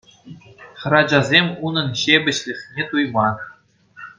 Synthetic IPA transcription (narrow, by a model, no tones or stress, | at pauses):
χɤ̆ɾɑd͡ʑɑzʲemʲunɤ̆nɕebʲɘ̆ɕlʲɘ̆χʲnʲet̪ujmɑ